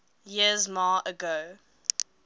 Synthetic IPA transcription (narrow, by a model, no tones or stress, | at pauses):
jiəzmɑːʔəɡo